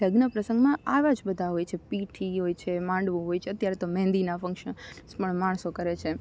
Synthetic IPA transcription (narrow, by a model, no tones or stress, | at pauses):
əɡnəpɾəsəŋɡmãaʋad͡ʒbəd̪ʱaɦojt͡ʃʰepiʈʰiɦojt͡ʃʰemãɳɖʋũɦojt͡ʃʰeət̪jaɾet̪omɛ̃nd̪inafə̃ŋkʃəspəɳmaɳ̃sokəɾet͡ʃʰe